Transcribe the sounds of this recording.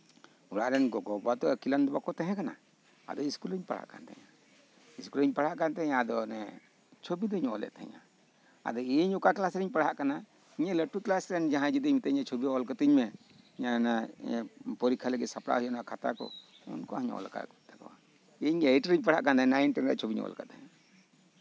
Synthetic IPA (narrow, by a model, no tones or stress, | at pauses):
uɽaʔɾɛnɡɔɡɔbat̪ɔkiland̪ɔbakɔt̪ɛ̃ɦɛ̃kana̰ | a̰d̪ɔiskuləɲpaɽ̤a̰ʔka̰nt̪ɛ̰ɲa | iskuləɲpaɽ̤aʔkant̪ɛɲaːd̪ɔnɛ | t͡ʃʰobid̪ɔɲɔlɛ̰ʔt̪ɛɛ̰̃ɲa̰ | a̰d̪ɔiɲɔkaklasɾiɲpaɽ̤aʔkana | iɲaləʈuklasɾɛnɛd͡ʒaɦãd͡ʒid̪iɲmit̪ɛɲat͡ʃʰobiɔlkət̪iɲmɛ | ɲana | pɔɾikʰalɛɡɛsapɽa̰ɦujanɔakʰat̪a̰kɔ̰ | ṵnkɔaɲɔ̰lka̰ʔt̪akɔ̰wa | eɲɛʈəɾiɲpaɽ̤aʔkand̪anajnʈɛŋɾɛʔt͡ʃʰobiɲɔ̰lkat̪ɛɲa